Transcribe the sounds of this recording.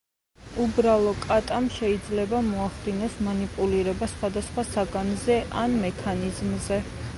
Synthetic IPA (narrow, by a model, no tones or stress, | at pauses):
ubɾalˠɔkʼat̪ʼamʃɛid̪zlɛbamɔaχd̪inɔsmanipʼuliɾɛbasχwad̪asχwasaɡanzɛʔanmɛkʰanizmzɛ